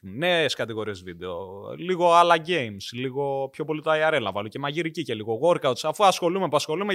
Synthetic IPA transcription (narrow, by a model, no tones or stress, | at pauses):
neskɐt̪iɣo̞ɾiezvid̪e̞oliɣo̞ɐlɐɟe̞jmsliɣo̞pço̞po̞lit̪oɐiɐɾelɐvɐluce̞mɐʝiɾicice̞liɣo̞ɣoɾkɐot̪sɐfuɐsxo̞lume̞puɐsxo̞lume